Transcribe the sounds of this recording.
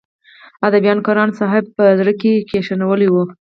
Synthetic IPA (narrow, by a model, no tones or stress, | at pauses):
ad̪abijɑnkɑɾɑnsɑɦɪb̚pəzɾəkekeʃanawəliwu